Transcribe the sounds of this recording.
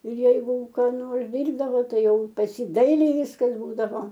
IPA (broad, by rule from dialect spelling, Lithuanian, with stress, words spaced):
ɪr ˈjɛɪɡʊ kɑː ˈnoːrs ˈdʲiːrbdɐʋoː ˈtɐɪ ˈjɛʊ pɐs ˈjiː ˈdɐɪlʲɛɪ ˈʋʲɪskɐs ˈbuːdɐʋoː